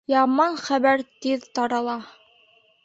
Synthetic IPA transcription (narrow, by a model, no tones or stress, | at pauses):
jɑmɑnχæβæɾt̪iðt̪ɑɾɑlˠɑ